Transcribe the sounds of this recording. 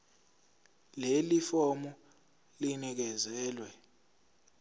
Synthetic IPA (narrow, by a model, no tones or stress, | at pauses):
lelifɔmu | linik̬ɛzɛːlwɛ